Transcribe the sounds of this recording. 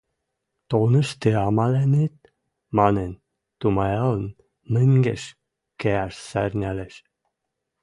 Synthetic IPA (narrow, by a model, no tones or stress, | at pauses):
t̪olnəʃt̪eɑmɑlenit̪̚ | mɑnen | t̪umɑjɑln | mɨŋɡeʃ | keæʃsæɾʲnʲæleʃ